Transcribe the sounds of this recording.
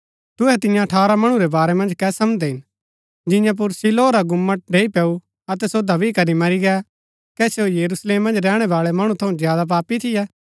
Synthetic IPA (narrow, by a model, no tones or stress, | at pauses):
t̪ʊɦɛt̪ɪ̃jãɐʈʰaːɾamɐɽ̃uɾɛbaːɾɛmɐ̃nd͡ʒkɛsɐmd̪ɛɦɪn | d͡ʒɪ̃jãp̬ʊɾsiloːɾaɡʊmːəʈ̚ɖeːipɛːu | ɐt̪̬ɛsod̪ʱɐbikɐɾimɐɾiɡɛ | kɛseojɐɾusleːmːɐ̃nd͡ʒɾɛːɽ̃ɛbaːɭɛmɐɽ̃ũt̪ʰɐũzjaːd̪ap̬aːpit̪ʰɪjɛː